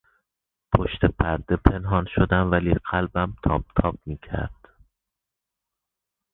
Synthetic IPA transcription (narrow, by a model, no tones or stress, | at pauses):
pʰoʃt̪epʰæɾd̪e̞pʰe̞nɦɒːnʃod̪æmvæliːɢælbæmt̪ʰɒ̰ːb̚t̪ʰɒːb̥̚miːcʰæ̰ɾd̪̥